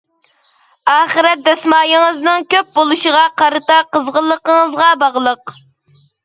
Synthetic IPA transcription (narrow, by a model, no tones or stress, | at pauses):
ɑːχəɾɛt̪̚d̪ɛsmɑːjəŋəznɨŋkʲøp̚bolˠuʃəʁɑqɑɾɨt̪ɑqəzʁəlˠːəqəŋəzʁɑbɑʁlˠəq